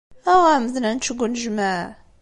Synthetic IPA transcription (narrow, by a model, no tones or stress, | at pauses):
æʁæməðnænt͡ʃːəɡʷənʒmæ